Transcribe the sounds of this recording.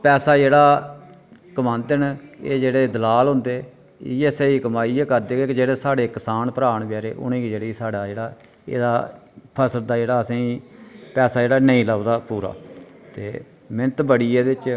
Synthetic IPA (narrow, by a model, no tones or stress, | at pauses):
pɛːsaːd͡ʒeːɽaː | kəmãːnd̪ɪnḛːd͡ʒeːɽeːd̪əlaːlɦʊ̃nd̪eː | ieːseikəmaːiːɛːkəɾd̪eːɡekd͡ʒeːɽeːsaːɽeːkɪsaːnpəɾaːɳbjaːɾeːʔʊ̰nẽːkid͡ʒeːɽeisaːɽaːd͡ʒeːɽaː | ḛːd̪a̰ːpʰəsəld̪aːd͡ʒeːɽaːəsĩːpɛːsaːd͡ʒeːɽaːnəĩːləʋd̪aːpuːɾa̰ːt̪ḛː | mɪnət̪bəɽiːeːd̪eɪt͡ʃ